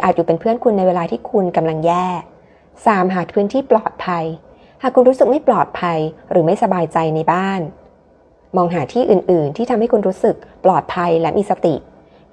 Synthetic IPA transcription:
ʔaː˨˩t̪̚juː˨˩pe˧npʰɯ˥˩ənkʰu˧nːa˧jweː˧laː˧t̪ʰiː˥˩kʰu˧nka˧mla˧ŋjɛː˥˩ | saː˨˩˦mɦaː˨˩˦pʰɯː˦˥nt̪ʰiː˥˩plɔː˨˩t̪̚pʰa˧j | haː˨˩kʰːu˧nɾuː˦˥sɯ˨˩k̚ma˥˩jplɔː˨˩t̪̚pʰa˧jɾɯː˩˦ma˥˩jsa˧baː˧jt͡ɕa˧jna˧jbaː˥˩n | mɔː˧ŋɦaː˩˦t̪ʰiː˥˩ʔɯː˨˩nʔɯː˨˩nt̪ʰiː˥˩t̪ʰa˧mha˥˩jkʰu˧nɾuː˦˥sɯ˨˩k̚plɔː˨˩t̪̚pʰa˧jlɛ˦˥miː˧˩sa˧t̪i˨˩

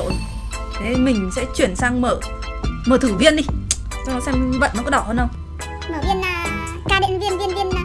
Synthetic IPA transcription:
t̪ʰe˨˦mï˨˩ŋ̟sɛ̰˧˥t͡ɕwi˧˩ənsaː˧ŋməː˧˩ | məː˧˩t̪ʰɨ˧˩vi˧ənɗi˧˦ | t͡ɕɔ˧ɔ˨˦sɛ˧mvə̰˧˨nɔ˨˦kɔ˨˦ɗɔ˧˩həː˧nɗə˧wŋ͡m | məː˧˩vi˧ənaː˨˩ | kaː˧ɗḭ˧˨ŋvi˧ənvi˧ənvi˧ənːaː˨˩

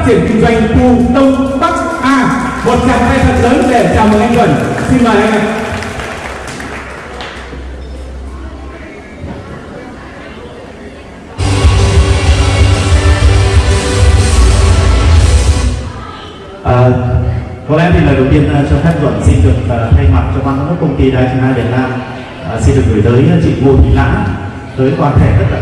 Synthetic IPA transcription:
t̚t͡ɕʰi˧˩ənki˧ŋzwa˧˩jŋ̟t̪u˧t̪ə˧wŋ͡mt̪a˦˥k̚ʔaː˧mo˨˩t̚t͡ɕa̰ː˧˩ŋt̪ʰaː˧jt̪ʰə̰˨˩n̚ləː˨˦nvɛ˨˩˨t͡ɕaː˨˩wmo˨˩ʔa˧ŋ̟k̪wə̰˧˩nsi˧ŋɔː˨˩ʔa˧˩˧ | ʔəː˨˩ | kɔ˨˩lɛ̰˧˥t̪ʰi˨˩laː˨˩˨t̪i˧ənə˨˧t͡ɕɔ˧xa˦˥t̚və̰˧˨nsi˧zɨ˨˩kvaː˨˩˨t̪ʰa˧jma˨˩t̚t͡ɕɔ˧ɓaː˧nkːkːa˦˥kə˧wŋ͡mt̪i˧ɗaː˧jfi˧naː˧vi˨˩ət̚naː˧m | ʔːsi˧nɗɨ˨˩ək̚no˨˩˦jt̪əː˨˦jt͡ɕḭ˧˨vu˧ŋi˧la̰ː˧˥ | t̪əː˨˦jkwaː˧nxʰɛ˧˩zə˦˥t̚la˨

